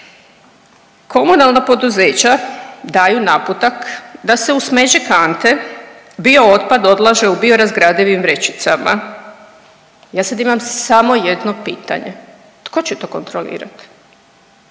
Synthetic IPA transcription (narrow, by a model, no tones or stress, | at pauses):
kʰo̞munalˠnapo̞d̪uze̞ːt͡ɕad̪aːjunaput̪akd̪ase̞usme̞d͡ʑekant̪e̞ | bio̞ot̪̚pad̪o̞d̪lˠaʒe̞ubio̞ɾazɡɾad̪iʋimʋɾe̞t͡ɕi̥t̪sama | jaːsad̪imamsamo̞jed̪no̞piːt̪a̰ɲe | t̪kʰo̞t͡ɕet̪o̞ːko̞nt̪ɾolḭːɾa̰t̪